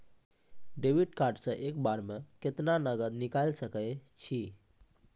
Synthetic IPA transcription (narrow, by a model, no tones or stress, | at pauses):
ɖeʋiɖkaɾʈsəʔekbaɾmeket̪nanəɡəd̪nikalsəkəjt͡ʃʰi